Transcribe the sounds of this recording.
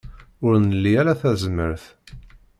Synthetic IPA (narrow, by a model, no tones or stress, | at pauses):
ʊɾnəlːiælæθæzmə̰ɾθ